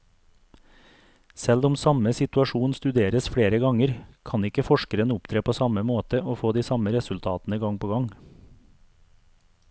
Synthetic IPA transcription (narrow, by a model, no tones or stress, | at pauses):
sɛlʊmsɑməsɪt̪ʉɑʃuːnst̪ʉd̪eːɾəsfɽeːɾəɡɑŋəɾkʰɑnɪkəfɔʃkəɾənəʊpt̪ʰɾeːpʰoːsɑməmoːt̪əʔoːfoːd̪iːsɑməɾɛsʉlt̪ʰɑːt̪n̩əɡɑŋpʰoːɡɑŋ